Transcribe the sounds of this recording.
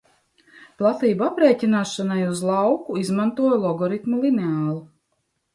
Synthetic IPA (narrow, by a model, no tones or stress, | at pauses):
plˠat̪iːbuapɾeːcinaːʃanajuzlˠɑwkuizmant̪uɔjlˠɔɡɔɾit̪mulˠineaːlˠu